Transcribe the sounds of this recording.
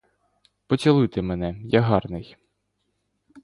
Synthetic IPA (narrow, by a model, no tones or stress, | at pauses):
pɔt͡sʲɐlˠɪt̪ɪmenɛjaɦɑrnɪj